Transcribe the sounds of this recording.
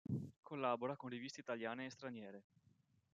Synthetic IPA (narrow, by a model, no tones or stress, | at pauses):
kʰolːaːboɾakonrivist̪eit̪aljaːneːst̪ɾanjɛːɾe